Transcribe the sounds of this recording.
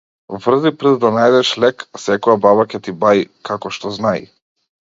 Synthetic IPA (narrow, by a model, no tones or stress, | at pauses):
vr̩zipɾɛd̪ːanajd̪ɛʃlɛkasɛkɔjabaβacɛt̪ibaikakɔʃt̪ɔznaḭ